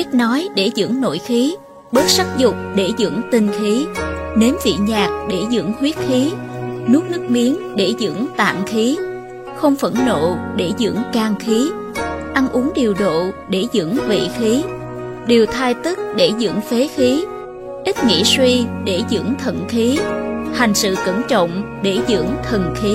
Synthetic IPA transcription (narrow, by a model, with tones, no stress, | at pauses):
ʔi˦˥k̟̚nɔ˨˦jɗe˧˩zɨ̰˧˥ŋno̰˧˨jxi˨˦ | ɓəː˦˥t̚saː˦˥k̚zʊ˨˩k͡p̚ɗe˧˩zɨ̰˧˥əŋt̪ï˨˩ŋ̟xi˨˦ne˨˦nvḭ˧˨ɲaː˨˩k̚ɗe˧˩zɨ̰˧˥ŋhwi˦˥ət̚xi˨˦ | nɨ˦˥ək̚nɨ˦˥ək̚mi˨˦ənɗe˧˩zɨ̰˧˥əŋt̪a̰ː˧˨mxi˨˦ | xə˧wŋ͡mfə˧˩nno̰˧˨ɗe˧˩zɨ̰˧˥ŋkaː˧ŋxi˨˦ | ʔa˧nʔu˨˦ŋɗi˨˩əwɗo̰˧˨ɗe˧˩zɨ̰˧˥ŋvḭ˧˨xi˨˦ | ɗe˨˩əwt̪ʰaː˧jt̪ɨ˦˥k̚ɗe˧˩zɨ̰˧˥ŋfe˨˦xi˨˦ | ʔi˦˥t̚ŋḭ˧˨swi˧ɗe˧˩zɨ̰˧˥əŋt̪ʰə̰˧˨nxi˨˦ha˨˩jŋ̟sɨ̰˧˨kə˧˩nt͡ɕə̰˧˨wŋ͡mɗe˧˩zɨ̰˧˥əŋt̪ʰə˨˩nxi˨˦